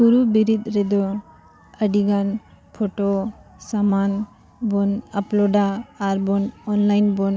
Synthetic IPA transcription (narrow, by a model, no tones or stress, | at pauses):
suɾubiɾit̪ɾɛd̪ɔ | əɖiɡan | pʰoʈosaman | bɔnaplɔɖaːɾbɔnɔnlajnbɔn